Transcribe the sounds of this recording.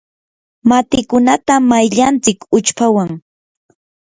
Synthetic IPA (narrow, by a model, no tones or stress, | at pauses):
mat̪ɪkʊnat̪amajʎant͡sɪkʊt͡ʃpawaŋ